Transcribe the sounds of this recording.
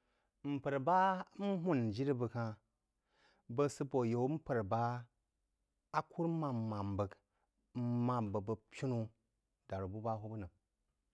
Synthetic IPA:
m̩˨pə˨ɾba˦m̩˦ɦu˦˨nd͡ʒi˦ɾi˦bə˧kã˧ | bə˦sɨ˦po˨jo˨wm̩˦pə˨ɾba˦ | a˦kʰu˦ɾma˨mma˨m˨bə˨k | ma˨mbə˨bə˨pʲi˦nu˦ | da˨ɾbu˦ba˦ɦu˦bə˦nə˨

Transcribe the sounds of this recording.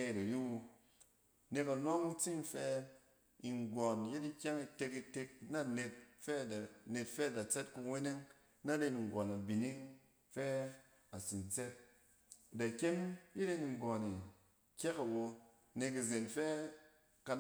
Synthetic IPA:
e˨ɾa˨ji˦wo˧ | ne˧ka˨no˦ŋ̩˦t͡si˦n̩˦fɛ˧ | i˨ŋɡʷɔ˨nje˦ti˦kʲɛ˦ŋi˧te˧ki˧te˧k̚na˦ne˧t̚fɛ˦˨ne˨tfɛ˦˨da˨t͡sɛ˦tku˧˦we˦ne˦ŋ | na˦ɾe˧ni˨ŋ˨ɡʷɔ˨na˨bi˨ni˦ŋ | fɛ˦ | a˨si˨nt͡sɛ˦t̚ | da˨kʲe˦nji˦ɾe˦ni˨ŋ˨ɡɔ˨ni˨ | kʲɛ˦ka˨wo˧ | ne˧k̬i˨ze˨nfɛ˦ | ka˧

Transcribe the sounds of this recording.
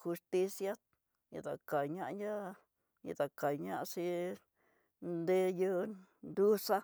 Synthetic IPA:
xu˧st̪i˦sja˦ | jḭ˧d̪a˨ka˨ɲa˧ʔɲa˦ | ɲḭ˧d̪a˨ka˨jɲa˦˧si˦ | nd̪e˦ju˦d̪u˦sa˦

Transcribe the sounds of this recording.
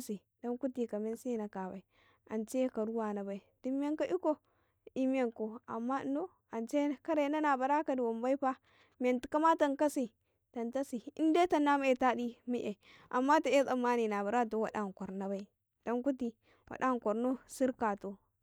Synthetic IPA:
si˨ | da˦nku˦ti˨ka˨me˦nsi˦na˨ka˨ba˨i˨ | a˨nt͡ʃe˦ka˨ɾu˦wa˨na˨ba˨i˨di˦m˦e˦ŋka˦ʔi˦ko˦ | i˦m˦ja˦ŋko˨a̰˨mːa˦no˦ | a˨nt͡ʃe˦ka˦ɾe˨˦na˦na˨ba˨ɾa˦ka˨di˨wo˨mba˦i˦pa˦ | m˨e˨nti˨ka˦ma˦ta˨ŋka˦si˨ | ta˨nta˦si˨i˦n˦de˦ta˨nːa˦ma˦e˨ta˦di˦mi˦ʔe˨ | ʔa̰˨mːa˦ta˨e˦sa˨ma˦ni˨na˨ba˨ɾa˦˨to˨˦wa˨da˦˨kʷo˨ɾna˨ba˨i˦ | do˦nku˦ti˨ | wʔa̰˨da˦ŋko˨ɾno˦si˦ɾka˨to˨

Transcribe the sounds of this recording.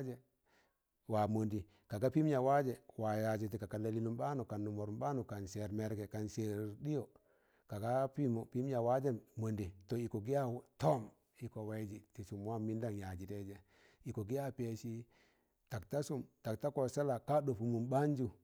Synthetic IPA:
d͡ʒe˨ | wa˨mo˨ndi˨ | ka˨ɡa˦pi˦m˦ɲa˨wa˦d͡ʒe˨wa˨ja˨d͡ʒe˨t̬i˨ka˨ka˨le˨li˦nu˨mba˦nu˨ka˨nːu˨mo˨ɾu˨mba˦nu˨ka˨nse˨ɾme˨ɾɡe˨ka˨nse˨ɾdi˦jo˨ | ka˨ɡa˦pi˦mo˨pi˦m˦ɲa˨wa˦d͡ʒe˦mo˨ndi˨to˨i˨ko˨ɡi˦ja˦to˦m | i˨ko˨we˨˦d͡ʒi˨ti˨su˨mwa˦mi˦nda˦ŋja˨d͡ʒi˨te˦d͡ʒe˦ | i˨ko˨ɡi˦a˦pe˨ʃi˦ | ta˨kta˦su˦mta˨k̚ta˦ko˨se˦la˨ka˦ɗo˨fu˨mu˨mɓa˦nd͡ʒu˦

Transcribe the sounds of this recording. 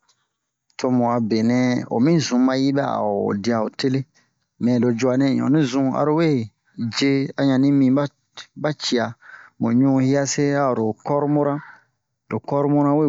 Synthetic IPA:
tʰo˧mũ˨a˨be˨nɛ̃˨o̰˨mĩ˦zũ˨mã˧ji˦bɛ˦a̰˨o̰˨di˧a˨o˨te˦le˦ | mɛ̃˨lo˨d͡ʒu˦a˨nɛ̃˦˨ɔ̰̃˨nĩ˦zũ˦a̰˨ɾo˦we˦˨ | d͡ʒe˦a˨ɲã˨nĩ˦mĩ˦ba˦ | ba˦t͡ʃi˨a˨mõ˨ɲũ˦hi˦a˦se˦a˦o˨ɾo˨kɔ˦ɾu˦mo˦ɾã˦˨ | lo˨kɔ˦ɾu˦mu˦ɾã˦we˦˨

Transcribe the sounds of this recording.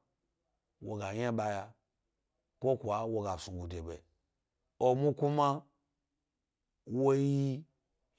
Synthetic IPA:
wo˨ɡa˨ɲa˦ɓa˧ja˧ | kʷo˦kʷa˨wo˧ɡa˨su˨ɡu˨de˨be˨ | o˧mu˦ku˦ma˦ | wo˦ji˦

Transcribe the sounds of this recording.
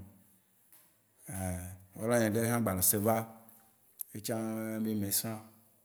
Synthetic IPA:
e˨wo˦la˦ɲɛ̃˨ɖe˦ɦã˦ɡ͡ba˨le˨se˨va˦ | e˦t͡ʃã˦me˦mẽ˨sã˦

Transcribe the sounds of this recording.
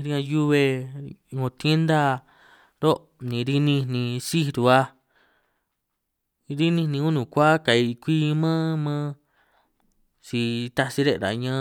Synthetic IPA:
ɾi˧ã˧ju˦βe˧ŋõ˧t̪e˦nd̪a˦ | ɾo˦ʔ | nĩ˨˧ɾi˧nĩ˦˧nĩ˧si˦˧ɾu˧˨a˧ | ɾi˦nĩ˧nĩ˧ũ˦nũ˨kʷa˦ka˨i˧kʷi˦mãː˦mãː˦ | si˧t̪a˧si˦ɾe˦ʔɾa̰˨ɲã˧˦

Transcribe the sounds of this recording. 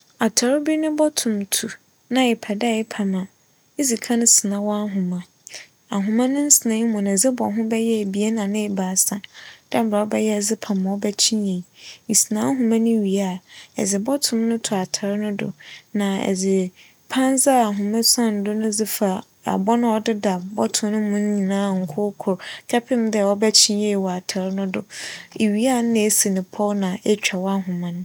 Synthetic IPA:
a˨tʰa˨ɾɪ˦bi˦nʊ̃˦bɔ˦tʰʊ̃˨mtʰu˨ | nã˦ɪ˨pʰa˨da˦˨jɪ˦pʰa˨mã˨ | e˦zi˨kʰã˦nʊ̃˦sɪ˨nã˨wɔ˦a˦ɦʊ̃˨mã˨ | a˨ɦʊ̃˨mã˦nʊ̃˦n̩˦sɪ˨nã˨˦i˦mʊ̃˨nã˨zɪ˦bɔ̰˨ɦʊ̃˦bɛ˦jɛ˦˨bi˨e˦nã˨nɪ̃˦ɪ˨baː˨˦sã˨d̥a˦ba˨˦bɛ˦jɛ˦˨zɪ˦pʰa˨mã˨ɔ˦bɛ˦t͡ɕʰĩ˦e˨i˨n̩˨si˨nã˨˦a˦ɦʊ̃˨mã˦nʊ̃˦ɥi˨a˦˨ɛ̰˨d͡zɪ˨bɔ˦tʰʊ̃˦mnʊ̃˦tʰʊ˨a˨tʰa˨ɾnʊ̃˦dʊ̰˨nã˨ɛ̰˨d͡zɪ˨ | pʰã˦n˦za˦a˨ɦʊ̃˨mã˦sã˦n˨dʊ˦nʊ̃˦d͡zɪ˦fa˨ | a̰˨bɔ˦nʊ̃˦ɔ˦dɪ˦da˨bɔ˦tʰʊ̃˨m˦nʊ̃˦mʊ̃˦n̩˦ɲĩ˨nãː˨˦ŋ̩˨kʰʊ˦kʰʊ˨ɾkʰɛ˦pʰɪ̃˦m˦dɛ˦˨ɔ˦bɛ˦t͡ɕʰɪ̃˦nje˨i˨wɔ˨a˨tʰa˨ɾnʊ̃˦dʊ˨e˨ɥi˨˦a˦˨n˦nɪ̃˦e˦si˨nɪ̃˨pʰɔ˦nã˨ɛ˦t͡ɕᶣa˨wa˦ɦʊ̃˨mã˦nʊ̃˦

